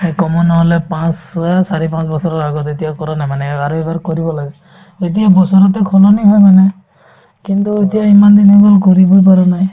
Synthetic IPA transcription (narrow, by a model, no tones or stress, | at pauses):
hekɔmɔnɔɦɔlɛpãsasaɹipãsbɔsɔɹɔɹaɡɔtetijakɔɹanajmanɛaɹuɛbaɹkoɹibɔlaɡɛ | zet̬ijabɔsɔɹɔt̬ɛkʰɔlɔniɦɔjmanɛ | kintuetijaimandinɔbɔlkoɹibɔjp̬aɹanaj